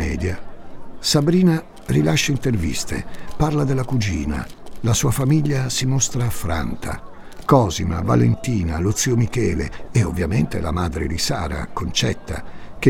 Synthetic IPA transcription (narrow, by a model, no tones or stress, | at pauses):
ɛːd̪ja | sabɾiːna | rilaʃːaint̪ervḭst̪ḛparlad̪elːakud͡ʒiːna̰lasuːafamiʎːasimost̪ɾaːfɾa̰nt̪ʰa̰ | kɔːzima̰va̰lent̪iːnalut̪siːomikɛːlḛːovːjament̪ḛla̰maːd̪ɾḛd̪isaːɾa̰kont͡ʃɛt̪ːa̰k̟e